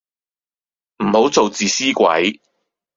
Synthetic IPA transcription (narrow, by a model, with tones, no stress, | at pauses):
m̩˨˩ho˨˥wt͡so˨wt͡siː˨siː˥kʷɐ̰˨˥j